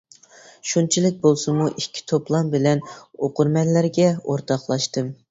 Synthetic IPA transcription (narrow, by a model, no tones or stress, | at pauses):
ʃunt͡ʃʰilɪk̚ʲbolˠsɨmuʔikʲʰːi̥t̪ʰoplˠɑmbɪlɛnoqʊɾmɛnlːæɾɡʲɛoɾt̪ʰɑχlˠɑʃt̪ɨm